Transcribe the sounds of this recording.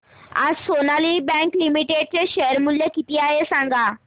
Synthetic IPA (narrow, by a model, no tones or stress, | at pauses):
a̰sonalibɛ̃ŋklimiʈeɖ̚t͡ɕeɕəəɾmuljəkit̪iaɦesãŋɡʱaː